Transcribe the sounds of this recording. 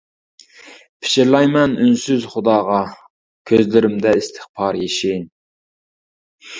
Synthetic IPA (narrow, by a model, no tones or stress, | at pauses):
pʰɪ̥ʃɪɾlˠɑjmɛnynsyzχʊd̪ɑːʁɑ | kʲʰøzlɪɾɪmd̪ɛist̪ʰɨ̥χpʰɑɾjeʃin